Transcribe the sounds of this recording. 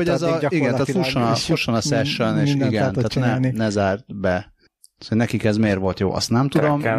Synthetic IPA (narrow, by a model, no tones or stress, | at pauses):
oɟɛzɒiɡɛnaːt̪fulʃonɒfulʃonɒsɛʃøneːʃiɡɛnaaːt̪ʰnɛnɛzaːrt̪bɛ | t̪ː | t̪hoɟnɛkikɛzmeːrʋo̞lt̪jo̰ːʔɒ̰st̪nɛmt̪ud̪o̞m